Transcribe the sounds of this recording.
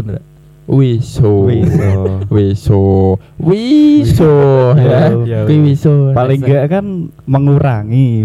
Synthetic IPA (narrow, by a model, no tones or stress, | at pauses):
wisoi | wiso | wisojakiwisopaliŋɡəʔkan | məŋuɾaŋi